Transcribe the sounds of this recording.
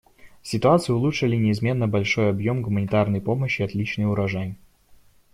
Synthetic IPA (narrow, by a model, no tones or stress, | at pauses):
sʲɪt̪ʊat̪sɨjʊlˠutʂɨlʲɪnʲɪːzmʲe̞nːəbɐlʲʂo̞jɐbjo̞mɡʊmənʲɪt̪arnəjpo̞məɕːɪɐt̪lʲit͡ɕnɨjʊɾɐʐanʲ